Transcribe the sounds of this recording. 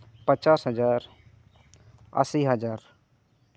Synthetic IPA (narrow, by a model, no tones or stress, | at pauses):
pət͡ʃaːsɦəd͡ʒaːɾ | ə̰siːɦəd͡ʒaːɾ